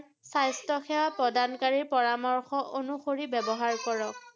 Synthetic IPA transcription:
sajstɔxɛwapɹɔdankaɹiɹpɔɹamɔɹxɔʔonuxoɹibɛbɔɦaɹkɔɹɔk̚

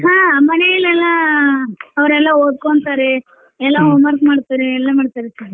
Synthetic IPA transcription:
ɦaːmɐnɛjɪlɛlːaː | ɐʋɐɾɛlːaːoːd̪̚koɳt̪aɾe | ɛlːaːoːmaːɾkmaːɽt̪ːaɾeɛlːaːmaːɽt̪ːaːɾesa

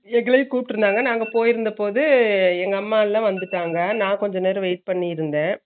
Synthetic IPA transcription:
ɛɡɐɭɐjkuːpɪʈːɪɾɯnd̪aːŋɡɐnaːŋɡɐpoːjɪɾɯnd̪ɐpoːðɯɛŋɡɐːmːaːlːɐ̃ʋɐnd̪ɯʈːaːŋɡɐnãːkɔɲd͡ʒɔneːɾɯʋeɪʈ̚pɐɳːijɪɾɯnd̪ẽː

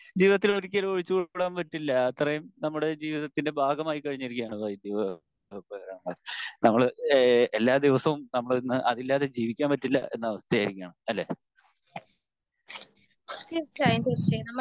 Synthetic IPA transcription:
d͡ʑiːʋiðɐt̪̬ːiloɾik̬ʲːɐloɻit͡ɕːɨoɭɽaːmpɐtːilːɐɐt̪ːɐrɐjumnɐmːuɽe̞d͡ʑiːʋiðɐt̪ːinde̞bʱaːɡɐmaːjikɐɻiɲːɐɾikʲːijaːɳuðaːjid̪iʋɐ | pɐɐɾɐɳɐmːɐnɐmːɐɭelːaːd̪iʋɐsɐʋumnɐmːɐɭnːɨʔɐðilːaːðe̞d͡ʑiːʋikʲːaːmpɐtːilːɐ̰e̞̰nːɐʋɐst̪ʰɐjaːjɾikʲːaːɳɐmɐlːḛː | t̪it͡ɕajnd̪it͡ɕɐnɐmːɐ

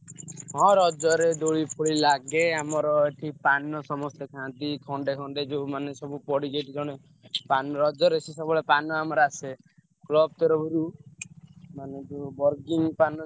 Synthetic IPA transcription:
ɦɔ̃ɾɔd͡ʒɔɾed̪oɭipʰuɭilaɡeamɔɾɔeʈʰipanɔsɔmɔst̪ekʰãt̪ikʰɔɳɖekʰɔɳɖed͡ʒomanesɔbupɔɽiɡeʈid͡ʒɔɽ̃e | panɔɾɔd͡ʒɔɾet͡ʃʰisɔbɔɭepanɔamɔɾase | klɔb̚t̪ɔɾɔbʱiɾu | maned͡ʒobɔɾɡiŋpanɔ

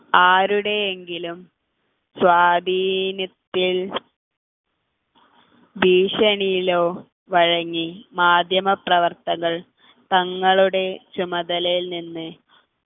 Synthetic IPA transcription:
aːɾuɽe̞eŋɡilum | swaːd̪ʱiːnjɐt̪ːil | b̪ʱiːɕɐɳijilo̞ː | ʋɐɻɐŋːimaːd̪ʱjɐmɐprɐʋɐrt̪ɐŋːɐɭ | t̪ɐŋːɐɭuɽe̞t͡ɕumɐd̪ɐlɐjilninːɨ

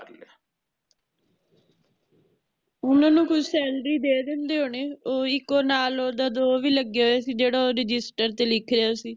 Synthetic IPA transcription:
a | ʊnãːnũːkʰʊd͡ʒsɛːlɖɾiːd̪eːd̪eʊ̃nd̪eːɦoːɳeːoːɪkːoːnaːloːd̪aːd̪oːʋiːləɡːeɦoːjaːsiːd͡ʒeːɽaːoːɾɪd͡ʒɪsʈəɾt̪eːlɪkʰɾɪaːsiː

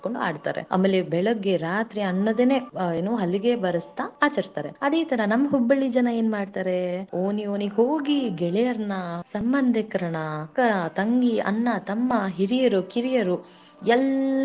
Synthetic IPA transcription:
koɳɖua̰ːɖt̪a̰ːɾḛɐ̰mːeːlːebɛɭɐɡːeɾaːt̪ɾiɐnːɐd̪eneːeːnuɦɐlːiɡebɐɾɐst̪ɐaːt͡ʃɐɾist̪aːɾe̞̰ɐd̪eːt̪ɐɾɐnɐmːɐɦubːɐɭːid͡ʒɐnɐe̞ːnmaːɖt̪aːɾeoːnioːniɦoːɡiɡɛɭɛjɐɾnɐsɐmbɐnd̪ʱekɐɾɐɳɐkɐɾɐt̪ɐŋɡiɐ̰nːɐt̪ɐmːɐɦiɾijɐɾukiɾijɐɾu | ɛl

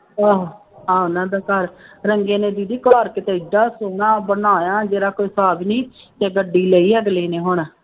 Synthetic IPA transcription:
aːɦ | ãːʊnãːd̪aːkəɾɾəŋɡẽːneːd̪iːd̪iːkaːɾkɪt̪eːɪɖaːsoːɳãːbənaːjãːd͡ʒeːɾaːkoːiːsaːbinĩː | t̪ɛ̃ːɡəɖːiːləiːɛːɡleːneːɦʊɳaː

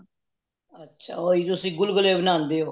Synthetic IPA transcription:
ətːʃʰa̰ːoːiːt̪ʊsĩːɡʊlɡəleːbənãːnd̪eːɦoː

